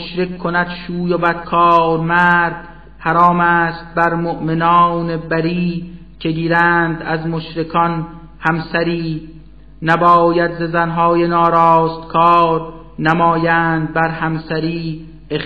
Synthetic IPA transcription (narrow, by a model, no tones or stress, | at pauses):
oʃɾekkʰːonæd̪̥ʃuːjobæt̪̚kʰɒːɾmæːɾd̪̥ | hæɾɒːmæːst̪̚bæɾmoʔmenɒːnebæɾiː | kʰe̞d̪iːɾæːnd̪æzmoʃɾekʰɒn | hæmsæɾiː | næbɒːjæd̪zezænɦɒːjenɒːɾɒːst̪kʰɒːɾ | næmɒːjæːnd̪̚bæɾhæmsæɾiː | e